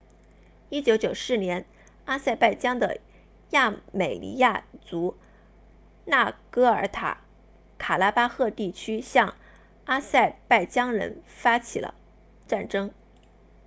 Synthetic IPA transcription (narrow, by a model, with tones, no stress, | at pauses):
i˥t͡ɕjo˧˥ʊt͡ɕjo˨˩ʊsɹ̩˥˩njɛ˧˥n | a˥sa˥˧ɪpa˥˩ɪt͡ɕjɑ˥ŋd̪ə̰˨ | ja˥˩me˨˩ɪlḭ˧˥ja˥˩t͡su˧˥ | na˥˩kɤ˥ə˞˧˥t̪ʰa̰˨˩˦ | kʰa˨˩la˥pa˥xɤ˥˧t̪i˥˩t͡ɕʰy˥ɕjɑ˥˩ŋ | a˥sa˥˧ɪpa˥˩ɪt͡ɕjɑ˥ŋɻə̰˧˥nfa˥t͡ɕʰi˨˩lə̰˧˦ | ʈ͡ʂa˥˩nʈ͡ʂɤ˥ŋ